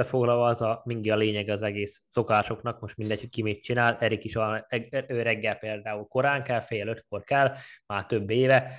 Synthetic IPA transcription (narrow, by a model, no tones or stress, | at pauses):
ɛfo̞ɡlɒlvɒzɒmiŋɡiɒleːɲɛɡɛɒzɛɡeːsːo̞kaːʃo̞knɒk̚mo̞ʃt̪mind̪ɛchickimeːt̪̚t͡ʃinaːlɛɾikiʃɒøːɾɛɡːɛlpeːld̪aːulko̞ɾaːŋkɛlfeːløt̪ko̞rkɛlmaːrt̪ø̞bːeːvɛ